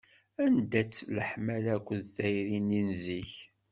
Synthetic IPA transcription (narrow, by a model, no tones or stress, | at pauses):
ænd̪æt͡sːləħmælækʷːðθæjɾininziç